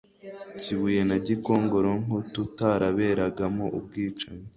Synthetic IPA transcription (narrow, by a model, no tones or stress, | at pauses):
ciβuje̞naɟiko̞ːŋɡo̞ɾoŋotutaɾaβe̞ɾaɡamoʔub̚ɡiːt͡ʃaɲe